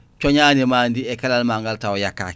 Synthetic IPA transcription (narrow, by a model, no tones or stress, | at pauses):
t͡ʃoɲaːnemandiɛkalalmaŋɡaltaojakːa̰